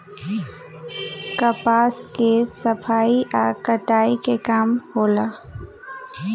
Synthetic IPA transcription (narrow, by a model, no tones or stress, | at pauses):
kɐpaːskesəpʰaːiʔaːkəʈaːikekaːmhoːlaː